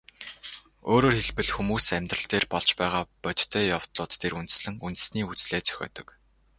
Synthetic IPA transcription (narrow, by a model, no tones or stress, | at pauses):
oːɾoːrxeɮpɘ̆ɮxumuːsæmʲt̪rə̆ɬt̪eːrpɔɮt͡ɕpæːʁaːpœt̪t̪ʰœːjaw̥t̪ɮʊːt̪ːʰeɾunt̪̆sɮɘ̆ŋunt̪ɘ̆sniːut͡sɮeːt͡sœ̥xʲɔ̰ːt̪ɞ̆k